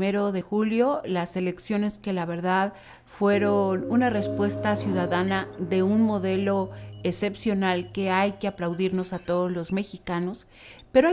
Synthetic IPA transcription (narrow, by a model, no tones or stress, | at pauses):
eɾo̞ðe̞xuljo̞lase̞le̞ksjo̞ne̞ske̞laβ̞e̞ɾðað | fwe̞ɾonunare̞spwe̞st̪asjuðaðanaðe̞unmo̞ðe̞lo̞ese̞psjo̞nalke̞ajke̞aplawðiɾno̞sat̪o̞ðozlo̞zme̞xikano̞s | pe̞ɾoa